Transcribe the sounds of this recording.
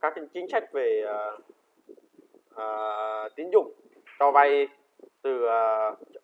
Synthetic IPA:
kaː˦˥kt͡ɕï˨˦ŋ̟sa˦˥jk̟̚ve˨˩a˨˩ | ʔaː˨˩t̪i˨˦ənzʊ˨˩ŋ͡m̚ | t͡ɕɔ˧va˧j | t̪ɨ˨˩aː˨˩

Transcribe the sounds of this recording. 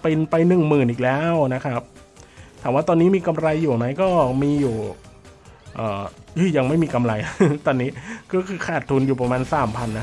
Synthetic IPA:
pe˧npa˧jnɯ˨˩ŋmɯː˨˩nʔiː˨˩k̚lɛː˦˥wna˦˥kʰɾa˦˥p̚ | t̪ʰaː˩˦waː˥˩t̪ɔː˧nːiː˦˥miː˧ka˧mɾa˧jːuː˨˩ma˦˥jkɔː˥˩miː˧juː˨˩ | ʔəː˨˩ʔɯ˧˥˩ja˧ŋma˥˩jmiː˧ka˧mɾa˧jt̪ɔː˧nːiː˦˥kɔː˥˩kʰɯː˧kʰaː˨˩t̪ʰːu˧njuː˨˩p̬ɾa˧maː˧nsaː˩˦mpʰa˧nːa˦˥

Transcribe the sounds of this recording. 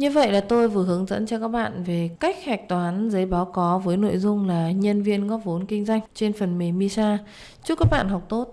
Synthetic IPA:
ɲɨ˧və̰˧˨jlaː˨˩t̪o˧jvɨ˨˩ɦɨ˨˦əŋzə̰˧˥nt͡ɕɔ˧kaː˦˥k̚ɓa̰ː˧˨nve˨˩ka˦˥jk̟̚ha˨˩k̚t̪waː˨˦nzə˨˦jɓaː˨˦wkɔ˨˦vəː˨˦jno̰˧˨jzʊ˧ŋ͡mlaː˨˩ɲə˧nvi˧ənɣɔ˦˥p̚vo˨˦nkï˧ŋ̟za˧jŋ̟t͡ɕe˧nfə˨˩nme˨˩mi˧saː˧ | t͡ɕu˦˥kaː˦˥k̚ɓa̰ː˧˨nɦwk͡p̚t̪o˦˥t̚

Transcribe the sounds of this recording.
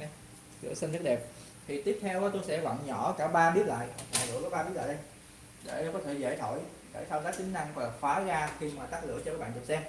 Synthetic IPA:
kɨ̰˧˥əsi˧n̟n˦˥t̚ɗe˨˩p̚ | t̪ʰi˨˩t̪i˦˥əp̚t̪ʰɛ˧wʔaː˨˦t̪o˧jsɛ̰˧˥və̰˧˨nɲɔ˧˩˥kaː˧˩ɓaː˧ɓi˦˥ət̚la̰ː˧˨jʔva̰ː˨˩lɨ̰˧˥əkɔː˨˦ɓaː˧i˦˥t̚la̰ː˧˨˧ɗə˧j | ɗḛ˧˩˨kɔ˨˦t̪ʰe˧˩zḛ˧˥t̪ʰo̰˧˩j | ke˧˩t̪ʰa˧wkaː˨˦˥k̚t͡ɕï˨˦ŋ̟na˧ŋkɔ˧˨˩la˨˩xwaː˨˦ɣaː˧xi˧maː˨˩t̪a˦˥k̚lɨ̰˧˨ət͡ɕɔ˧vəː˨˦jɓaː˧˨t͡ɕp̚sɛ˧m

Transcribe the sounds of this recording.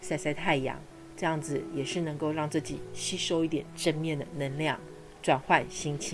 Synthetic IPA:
sa˥˧ɪsa˥ɪt̪ʰa˥˩ɪjɑ̰˧˥ŋ | ʈ͡ʂɤ˥˧jɑ˥˩ŋd͡zɹ̩˨˩jɛ˨˩ʂɻ̩˥˩nɤ˧˥ŋko˥˧ʊɻɑ˥˧ŋt͡sɹ̩˥˩t͡ɕḭ˨˩ɕi˥ʂo˥ʊi˥˩t̪jɛ˨˩nʈ͡ʂə˥nmjɛ˥˩nd̪ə˩nə˧˥nljɑ˥˩ŋ | ʈ͡ʂwa˨˩nxwa˥˩nɕi˥ŋt͡ɕʰi˧˥

